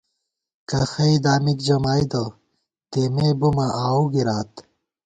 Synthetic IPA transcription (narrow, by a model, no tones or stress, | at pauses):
kɐxɐid̪aːmikd͡ʑɐmaːid̪o | t̪emebumɐʔaːuɡiɾaːt̪